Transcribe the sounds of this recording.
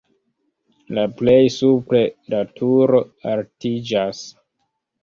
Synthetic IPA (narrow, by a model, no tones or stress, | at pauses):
laple̞jsupɾedatʰuɾo̞altid͡ʒas